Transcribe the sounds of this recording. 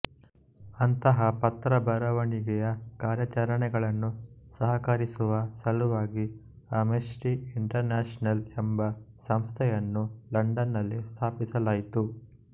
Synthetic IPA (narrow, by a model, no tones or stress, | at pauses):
ɐnt̪ɐɦɐpɐt̪ɾɐbɐɾɐʋɐɳiɡɛjɐkaːɾjɐt͡ʃɐɾɐɳɛɡɐɭɐnːusɐɦɐkɐɾisuʋɐsɐluʋaːɡi | ɐmesʈiiɳʈɐɾnaːʂɐnɐlɛmbɐsɐmst̪ʰɛjɐnːulɐɳɖɐnːɐlːist̪ʰaːpisɐlaːjit̪u